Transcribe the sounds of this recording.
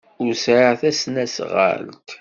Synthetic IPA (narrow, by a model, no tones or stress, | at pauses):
ʊɾsʕəθæsnæsʁə̰lt̪